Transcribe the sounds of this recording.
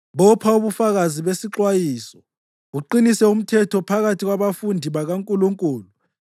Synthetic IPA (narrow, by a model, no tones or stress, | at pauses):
βɔpʰauβufaɣaziβesiǁwajiːsɔ | uǃinisɛum̩tʰɛtʰɔpʰaɣatʰiɣwaβafundʱiβaɣaŋkʼuluŋkʼuːlu